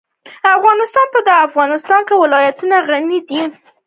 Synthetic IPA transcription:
afɣɑnɪst̪ɑnpəd̪əafɣɑnɪst̪ɑnkewɪlɑjat̪unaɣanid̪i

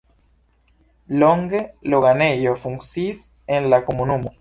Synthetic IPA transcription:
loŋɡeloɣanejofuŋsis | enlakomunũmo

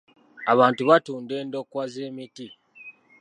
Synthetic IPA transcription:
aβaːntuβatuːnde̞ːndo̞kwaze̞ːmiti

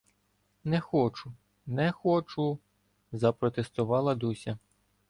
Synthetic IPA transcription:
nɛxɔt͡ʃʊ | nɛxɔt͡ʃʊ | zɐpɾɔt̪est̪ʊʋɑlˠɐd̪usʲɐ

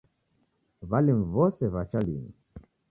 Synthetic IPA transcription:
valim̩vɔsɛβat͡ʃalini

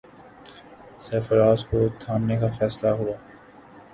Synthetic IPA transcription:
sɛːfəɾaːskot̪ʰaːnːekafɛːslaɦʊaː

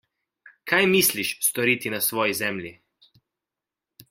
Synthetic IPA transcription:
kʰajmisliʃst̪ɔɾiːt̪inasʋɔːjizɛmlji

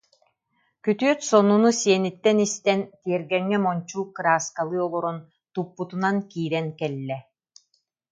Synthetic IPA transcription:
kyt̪yœt̪sɔnunusiɛnit̪ːɛnist̪ɛnt̪iɛɾɡɛŋːɛmɔnt͡ɕuːkɯɾaːskalˠɯɔlˠɔɾɔn | t̪upːut̪unankiːɾɛnkɛlːɛ

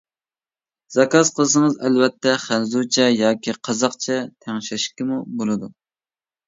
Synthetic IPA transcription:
zɑkɑsqʰəlˠsɨŋəzɛlvɛt̪ʰːɛχænzut͡ʃʰɛjɑːkʲiqʰɑzɑqt͡ʃʰɛt̪ʰæŋʃɛʃkʲɪmubolˠɨd̪u

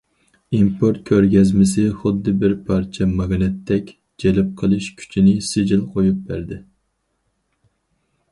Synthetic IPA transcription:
impʰoɾt̪̚kʲʰøɾɡʲɛzmɪsɪχʊd̪ːɨbɪɾpʰɑɾt͡ʃʰɛmɑɡnɪt̪ʰːɛkʲ | d͡ʒɛlɪp̚qʰəlˠɨʃkʲʰy̥t͡ʃʰinɪsɪd͡ʒɪlˠqʰojup̚bæɾd̪ɪ

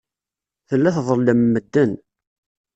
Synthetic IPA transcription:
θəlːæθðˤəld̪əmːəd̪ːən

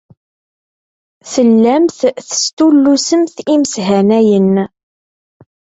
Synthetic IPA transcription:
θəlːæmθθə̥st̪ulːusəmθiməsɦænæjən

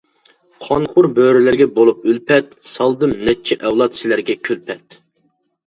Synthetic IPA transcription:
qʰɑnχʊɾbøɾɪlɪɾɡʲɛbolˠup̚ylpʰɛt̪sɑlˠd̪ɨmnɛt͡ʃʰɛʔɛwlˠɑt̪sɪlæɾɡʲɛkʲʰølpʰɛt̪

